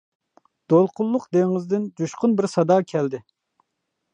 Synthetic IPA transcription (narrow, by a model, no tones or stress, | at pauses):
d̪̥olˠqʰʊlˠːʊqd̪eŋɪzd̪ɪnd͡ʒuʃqʊnbɪɾsɑd̪ɑːkʲʰɛld̪ɪ